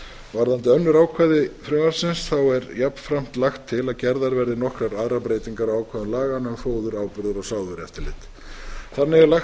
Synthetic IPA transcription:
vaɾðant̪ɪœnːʏɾaːwkʰvaðɪfɾʏmaɾsɪnsθawɛɾjapn̥fɾam̥t̪laxt̪ʰːɪlaðcɛɾðaɾvɛɾðɪnɔhkɾaɾaðɾapɾeːjt̪iŋkaɾawaːwkʰvaːðʏmlaːɣanʏmfoːwðʏɾaːwpʏɾðʏɾɔɣsaːwðʏɾɛft̪ɪlɪt̪ | θanːɪɣɛɾlax

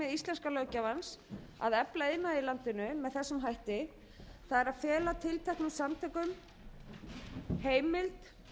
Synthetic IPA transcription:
ɛðist̪ɛnskalœɥcavansa̰ðɛplaeðnailant̪ɪnʏmɛðθɛsːʏmɦajht̪ɪ | θaðɛɾaðfjɛːlat̪ʰɪlt̪ʰɛhknasamt̪ʰɛkʏm | heːjmɪlt̪

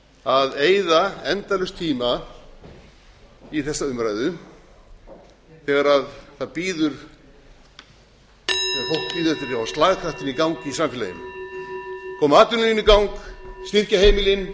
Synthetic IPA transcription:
aðeːjðaɛnt̪alʏst̪ʰiːma | iθɛsːaʏmɾajðʏ | θɛɣaɾaðθaðpiːðʏɾ̥ | ɛafowhk̚piːðʏɾɛht̪aɾavast̪laːɣkʰɾaht̪ɪnikawŋkisamfɪlajɪ̰m | kʰɔːmaːt̪ʏnlinikawŋkst̪ɪr̥cahejmɪlɪn

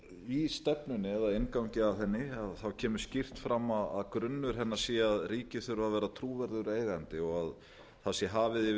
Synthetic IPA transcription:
ist̪ɛpnʏnɪɛðaðejnkawɲcɪaθɛnːɪaðθawcʰɛːmʏ̥scir̥t̪fɾamːaða̰ðkɾʏnːʏɾ̥ɦɛnːḁsɛaðriːcɪθʏɾvavɛːɾat̪ʰɾuːvɛɾðʏɾeːjɣant̪ɪɔɣað | θasjɛɦaːvɪðɪ

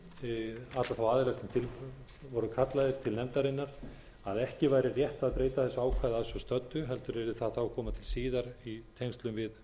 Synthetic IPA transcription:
at̪laθawaːðɪlast̪nt̪ʰɪl | vɔɾʏkʰat̪lajðɪɾ̥t̪ʰɪlnɛmt̪aɾɪnːaɾ̥ | aðɛhcɪvaːjɾɪrjɛht̪aðpɾeːjt̪aθɛsːʏaːwkʰvajðaðsʏst̪œt̪ːʏɦɛlt̪ʏɾɛɾɪθaðθawakʰɔːmat̪ʰɪlsiːðaɾit̪ʰejŋst̪lʏmvɪð

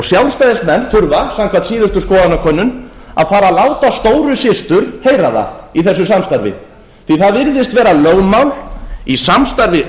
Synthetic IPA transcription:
sjawlst̪ajðɪst̪mɛnːfʏɾvasaŋkʰvant̪siːðʏst̪ʏskɔːðanakʰœnːʏn | a̰ðfaːɾalaːwt̪ast̪oːwɾʏsɪst̪ʏɾ̥heːjɾaða̰iθɛsːʏsamst̪aɾvɪ̰ | θiθaðvɪɾðɪst̪vɛːɾaløːwmawlisamst̪aɾvɪ

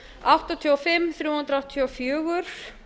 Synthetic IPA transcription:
awht̪ɔt̪ʰiɔfɪmːθɾjuːhʏnt̪ɾawht̪ʰiɔfjʏːɣʏɾ̥

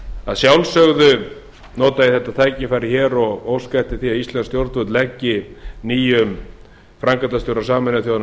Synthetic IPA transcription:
a̰ðsjawlsœɣðʏ | nɔːt̪aðɪθɛht̪ːaθʰaːjcɪfaːjɾɪçɛːɾɔɣowskajht̪ɪθiaðist̪lɛnst̪jowɾt̪ʏt̪lɛcːɪniːjʏm | fɾaŋkat̪ast̪jowɾasaːmɪnaθjoːwðana

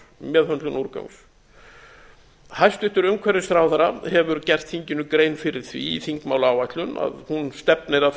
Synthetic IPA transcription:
mjɛːðhœnt̪lʏnuɾkœ̰wŋs | hajst̪ʏht̪ʏɾʏmkʰvɛɾːɪst̪ɾaːwθaɾahɛvʏɾcɛr̥t̪θiɲcɪnʏkɾeːjnfɪɾɪɾ̥θvḭiθiŋkmaːwlaːwvajt̪lʏna̰ðhunst̪ɛpnɪɾa

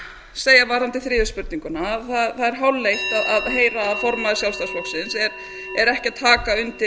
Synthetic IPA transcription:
seːjavaːɾant̪ɪθɾɪːʏspʏɾt̪niŋkʏnaːðθaðθaðɛɾ̥ɦawlːejht̪aðaðɦeːjɾaːðfɔɾmaðɪsjawlst̪asfɔksɪnsɛɾ | ɛɾɛhcɪat̪ʰːaːkaʏnt̪ɪ

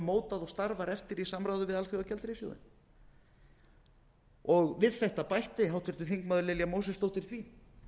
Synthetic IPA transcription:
moːwt̪aðɔɣst̪aɾvaɾɛft̪ɪɾisamɾajwðʏvɪðalfjowɣacɛlt̪ɾɪso̰wðɪ̰n | ɔɣvɪðθɛht̪apajht̪ɪɦawt̪ʰʏɾt̪ʏ̥θiŋkmaðʏɾlɪljamowsɛst̪owht̪ɪɾ̥θvi

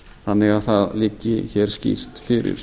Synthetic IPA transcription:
hanːɛɣaðθaðliːcːɪçɛːɾ̥scḭɾ̥t̪fɪɾɪ̰ɾ̥

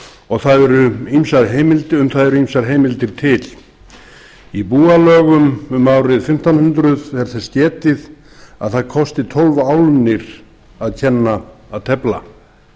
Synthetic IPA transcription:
ɔɣθaðɛɾʏimsaɾ̥ɦeːjmɪlt̪ʏmθaðɛɾʏimsaɾɦeːjmɪlt̪ɪɾ̥t̪ʰɪl | ipuːalœːɣʏmʏmːawrɪðfɪm̥t̪awnhʏnt̪ɾʏðθɛɾθɛ̥scɛːt̪ɪð | a̰ðθaðkʰɔst̪ɪt̪ʰɔlvaːwlnɪɾ̥ | aðcʰɛnːaaðt̪ʰɛpla̰

